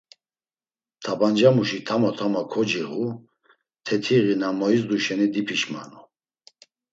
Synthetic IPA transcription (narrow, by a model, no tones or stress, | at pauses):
t̪ʰaband͡ʒamuʃit̪ʰamɔt̪ʰamakʰɔd͡ʒiʁu | t̪ʰɛt̪ʰiʁinamɔisd̪uʃɛnid̪ipʰiʃma̰nu